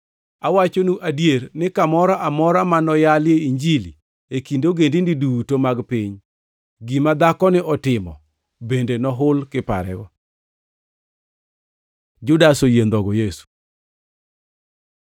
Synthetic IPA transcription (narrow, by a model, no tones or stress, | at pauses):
awat͡ʃonuʔadjeɾnɪkamɔɾɔʔamɔɾamanɔjaljeiɲd͡ʒili | ekindoɡendindidutomaɡpiɲ | ɡimad̪akɔnɪʔɔtɪmɔ̰ | bendenɔɦʊlkɪpa̰ɾɛ̰ɡɔ | d͡ʒʊdasojend̪ɔɡɔjesu̥